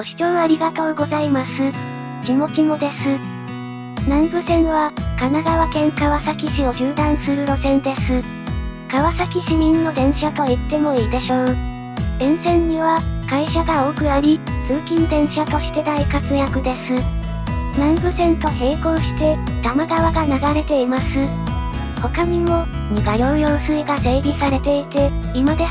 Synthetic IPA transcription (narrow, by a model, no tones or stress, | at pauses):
oɕi̥t͡ɕonaɾʲiɡat̪o̞ːɡo̞zaimasɨ | kʲimo̞kʲimo̞d̪e̞sɨ | nãmbɯ̟sẽ̞ɰ̃βakanaɡ̪aβakẽ̞ŋkaβasakʲiɕio̞ʑɨːd̪ãɰ̃sɨɾɯ̟ɾo̞sẽ̞nd̪e̞sɨ | kaβasakʲiɕimʲĩnːo̞d̪ẽ̞ɰ̃ɕat̪o̞it̪ːe̞mo̞iːd̪e̞ɕo̞ː | d̪ẽ̞ɰ̃sẽ̞ɲ̟ɲːiβakaiɕaɡao̞ːkɯ̟naɾʲit͡sɨːkʲĩnd̪ẽ̞ɰ̃ɕat̪o̞ɕi̥t̪e̞d̪aikakɯ̟jakɯ̟d̪e̞sɨ | nãmbɯ̟sẽ̞nt̪o̞he̞ːkõ̞ɰ̃ɕi̥t̪e̞d̪̥amaɡaβaɡanaɡaɾe̞t̪e̞imasɨ | ho̞kaɲ̟imo̞ | ɲiɡajojoːsɨiɡase̞ːɾʲisaɾe̞t̪e̞it̪e̞imad̪e